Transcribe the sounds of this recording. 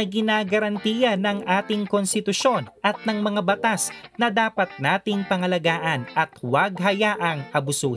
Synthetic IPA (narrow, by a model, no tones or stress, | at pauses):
ɐɡɪnaːɡɐɾɐnt̪iːjɐnɐŋʔaːt̪ɪŋkonst̪ɪt̪ʊʃo̞nʔɐt̪̚nɐŋmɐŋabɐt̪asnɐd̪aːpɐt̪̚naːt̪ɪŋpɐŋɐlɐɡaːʔɐnʔɐt̪̚wɐɡ̚ɦɐjaʔɐŋʔɐbʊsuː